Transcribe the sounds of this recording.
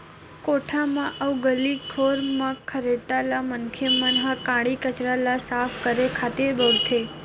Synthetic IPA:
koʈʰamãʔəwɡəlikʰoɾmãkʰəɾeʈalamənkʰemənɦãkãɽikət͡ʃɾalasafkəɾekʰat̪ebəʋt̪ʰe

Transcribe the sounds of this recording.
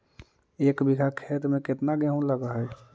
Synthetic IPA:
ekbiɡʱakʰet̪meket̪naɡẽɦũləɡəɦəj

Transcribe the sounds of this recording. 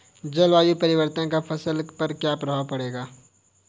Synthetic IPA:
d͡ʒɐlʋaːjupɐɾɪʋəɾt̪ənkafʰɐsəlpɐɾkjaːpɾɐɦaːapɐɽeːɡaː

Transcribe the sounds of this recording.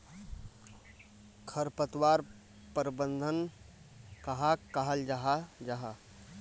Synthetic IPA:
kʰəɾpət̪waːɾ | pəɾbənd̪ʱən | kaɦakaɦəld͡ʒaɦad͡ʒaɦa

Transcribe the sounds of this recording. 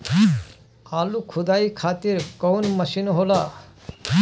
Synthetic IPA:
alukʰud̪ajkʰaːt̪iɾkɔwnməʃinɦola

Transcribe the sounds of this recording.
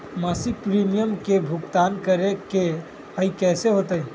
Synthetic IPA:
masiɡ̚pɾimijəmkebʱuɡt̪ankəɾeke | əikɛseɦot̪əj

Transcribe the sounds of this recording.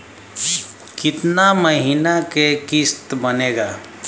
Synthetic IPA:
kɪt̪naməɦinakekɪst̪bəneːɡaː

